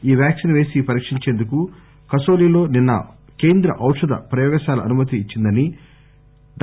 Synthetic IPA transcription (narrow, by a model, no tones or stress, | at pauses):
iːʋjaːksinʋe̞ːsipɐɾiːkʂiɲt͡ʃeːnd̪uku | kɐso̞ːliːlo̞ːninːɐ̰ | ke̞ːnd̪ɾɐ̰ʔɐwʂɐd̪ɐ̰pɾɐjɔːɡɐʃaːlɐʔɐnumɐt̪iːt͡ʃːind̪ɐni | d̪